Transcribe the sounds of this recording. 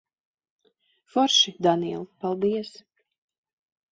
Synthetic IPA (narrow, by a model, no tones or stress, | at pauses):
fɔɾʃid̪aniɛlˠpalˠd̪iɛs